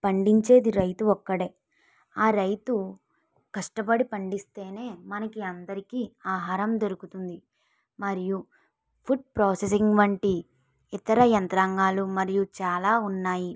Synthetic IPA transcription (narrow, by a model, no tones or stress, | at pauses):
pɐɳɖiɲt͡ʃe̞ːd̪iɾɐjt̪uɔkːɐɽe̞ː | aːɾɐjt̪u | kɐʂʈɐbɐɽipɐɳɖist̪e̞ːne̞ːmɐnɐkiɐnd̪ɐɾikiːaːɦaːɾɐmd̪oɾukut̪und̪i | mɐɾiju | pʰuɖ̚pɾoːsesiŋɡʋɐɳʈi | it̪ɐɾɐjɐnt̪ɾaŋɡaːlumɐɾijut͡ʃaːlaːunːaːji